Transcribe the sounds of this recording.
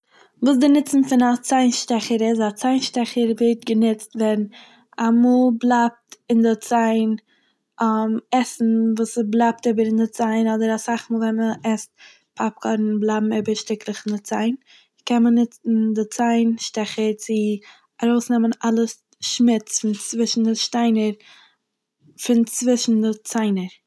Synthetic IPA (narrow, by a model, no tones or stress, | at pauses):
vuːs̬dɪnɪt͡sn̩fɪnat͡saɪnʃtɛχəɾɪsat͡saɪnʃtɛχəɾveɪt̚ɡənɪt͡stvɛɾn | amuːlˠblˠap̚tɪndɪt͡saɪn | mɛsn̩vuːsblˠap̚teɪbəɾɪndɪt͡saɪnɔdəɾasaχmuːlˠvɛnməɛst̚ | pʰap̚kʰɔɾn̩blˠabm̩eɪbəɾʃtɪklˠəχɪndɪt͡saɪn | kɛnmənɪt͡sn̩dɪt͡saɪnʃtɛχəɾt͡sɪ | aɾoʊsnɛmənalˠəs | ʃmɪt͡sfɪnt͡svɪʃn̩dɪʃtaɪnəɾ | fɪnt͡svɪʃn̩dɪt͡saɪnəɾ